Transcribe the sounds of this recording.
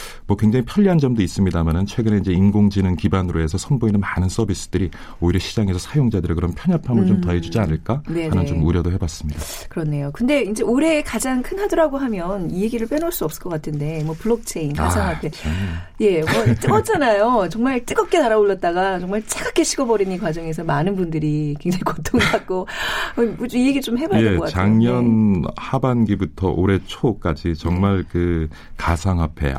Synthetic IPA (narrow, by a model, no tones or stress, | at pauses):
mwʌkweŋd͡ʑaŋipʰjʌʎːiɦand͡ʑʌmdois͈ɯmɲidamanɯnt͡ɕʰwe̞ɡɯne̞ind͡ʑe̞inɡoŋd͡ʑinɯnkibanɯɾoe̞sʰʌsʰʌnboinɯnmanɯns͈ʰʌbis͈ɯ̥d̥ɯɾi | oiɾʌɕʰid͡ʑaŋe̞sʰʌsʰajoŋd͡ʑadɯɾekɯɾʌnpʰjʌɲapʰamɯɭt͡ɕomtʌed͡ʑud͡ʑianɯɭk͈aneanɯnt͡ɕomuɾjʌdoɦebas͈ɯmɲida | kɯɾʌnːe̞jokɯnde̞ind͡ʑe̞oɾe̞kad͡ʑaŋkʰɯnɦadʌɾaɡoɦamjʌnie̞ɡiɾɯɭp͈enoɭs͈uʌp̚s͈ɯ̥ɭk͈ʌk͈atʰɯnde̞mwʌpuɭːok̚t͡ɕʰe̞inkasʰaŋɦapʰe̞je̞mʌt͡ɕ͈ɯɡʌt͡ɕʰanajot͡ɕʌŋmaɭt͡ɕ͈ɯɡʌk͈e̞naɾaoɭːʌt̚t͈aɡat͡ɕʌŋmaɭt͡ɕʰeɡʰakʰe̞ɕʰiɡʌbʌɾininkwad͡ʑʌŋe̞s̬ʰʌmanɯnbundɯɾikweŋd͡ʑaŋikot͈ʰoŋɡak̚k͈oʌut͡ɕoie̞ɡit͡ɕomɦe̞baeʌkat͡ɕʰaŋɲʌnhabanɡibutʰʌ̰ʔoɾe̞t͡ɕʰok͈ad͡ʑit͡ɕʌŋmaɭkɯ | kasʰaŋɦapʰe̞̰